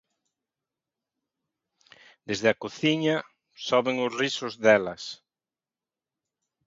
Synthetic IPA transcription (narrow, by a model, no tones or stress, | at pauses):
d̪ezðɪakoθiɲa | sɔβeŋʊsrisʊzðɛlɐ̰s